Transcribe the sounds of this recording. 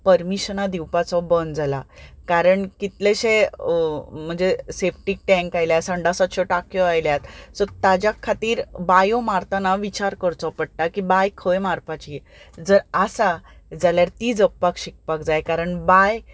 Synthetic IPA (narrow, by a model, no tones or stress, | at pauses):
pəɾmiɕnad̪iwpat͡sɔbənd͡zalakaɾəɳkit̪leɕẽ | m̤əɳd͡zesepʰʈik̚ʈɛ̃ŋkajljasəɳɖasat̪ɕɔʈakjɔajljat̪sɔt̪ad͡ʑjakʰːat̪iːɾbajɔmaɾt̪anaʋit͡ɕaɾkəɾt͡sɔpəɽ̚ʈakibajkʰəemaɾpat͡ɕi | d͡zəɾasa | d͡zaljaɾt̪iːd͡zəpːakɕik̚pakd͡zajkaɾəɳbaj